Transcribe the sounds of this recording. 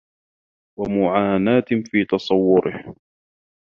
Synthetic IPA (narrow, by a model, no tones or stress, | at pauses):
wamʊʕaːnaːt̪fiːt̪ɑsˤɑwːʊɾɪh